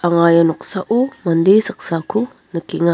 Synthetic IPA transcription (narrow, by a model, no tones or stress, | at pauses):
aŋajanuk̚saʔumandisək̚saku | nəkiŋa